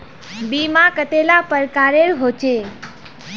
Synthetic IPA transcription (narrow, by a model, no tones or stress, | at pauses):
bimãkət̪elapəɾkaɾeɾɦot͡ʃe